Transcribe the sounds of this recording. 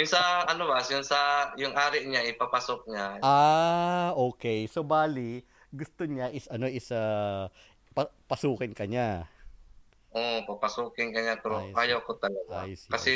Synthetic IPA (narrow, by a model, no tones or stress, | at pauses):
jʊŋsɐʔɐnobasjʊnsɐjʊŋʔaːɾɪʔɲaʔɪpapasok̚ɲaʔa | ʔoːkɛjsobaːli | ɡʊst̪oɲaʔɪsɐno̞ʔɪsɐ | pɐpɐsuːkɪnkɐɲa | ʔopɐpɐsuːkɪnkɐɲapɛɾoʔaːjɐwkot̪ɐlɐɡa̰jskɐsɛ